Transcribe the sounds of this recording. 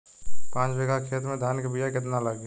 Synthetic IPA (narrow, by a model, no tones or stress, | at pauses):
pãːt͡ʃbeɡakʰeːt̪ɾmẽd̪ʱjaːnkebijakɪt̪̬nalaɡe